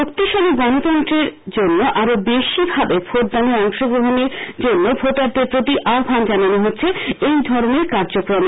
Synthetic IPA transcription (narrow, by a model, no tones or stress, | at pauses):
okt̪iʃɔloɡɔnot̪ɔnt̪ɾeɾd͡ʑonːoʔaɾobeʃibʱabefʰoʈ̚d̪aniɔŋʃoɡɾoɦoneɾd͡ʑonːobʱoʈaɾd̪eɾpɾot̪iʔabʱand͡ʑananoɦotːɕʰeejd̪ʱɔɾoneɾkaɾd͡ʑokɾon